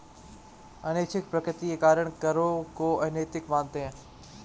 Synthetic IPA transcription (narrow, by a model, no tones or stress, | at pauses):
ɐneːt͡ʃʰɪkpɾəkɾɪt̪iekaːɾəɽ̃kəɾokoːɛ̃neːt̪ɪkʋãːnt̪ẽː